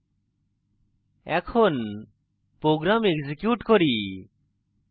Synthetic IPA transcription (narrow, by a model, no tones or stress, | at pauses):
ɛkʰon | pɾoɡɾameɡd͡ʒikjuʈkoɾi